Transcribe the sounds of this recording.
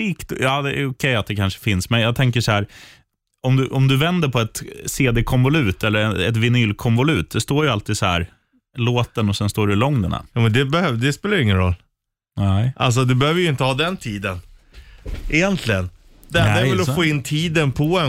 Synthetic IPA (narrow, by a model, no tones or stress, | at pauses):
iːkt̪jɑːd̪ɛʊkʰɛjːat̪̚d̪ɛkʰanʂə̥fɪnsmɛjɑːɡ̚t̪ʰɛŋkəʂɔhæːɾ | ɔmd̪ɵʔɔmd̪ɵvɛnd̪əɾpʰɔɛt̪seːd̪eːkʰɔnvʊlʉ̟ːt̪ɛlːəɾɛɛt̪vɪnyːlkʰɔmvɔlʉ̟ːt̪̚d̪ɛst̪oːɾjəalt̪iːd̪sɔhæ̰ːɾ | loːt̪ənɔsɛnst̪oːɖɛlɔŋd̪əna̰jumɛnd̪ɛbɛhød̪ɛspeːlajʏɪŋːənɾɔ̰lː | nɛʔa̰ls̬ɔd̪ɵbɛhøːvəjɵɪnt̪əhɑːd̪ɛnt̪ʰiːd̪ən | ʔɪjɛnt̪ʰlɪɡən | d̪ɛɛɾvɛlɔfoːɪnːt̪ʰiːd̪ənpʰɔɛ